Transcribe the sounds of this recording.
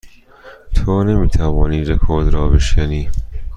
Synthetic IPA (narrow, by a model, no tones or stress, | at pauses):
t̪ʰonemiːt̪ʰævɒːniːɾekʰoɾd̪ɾɒːbeʃkæniː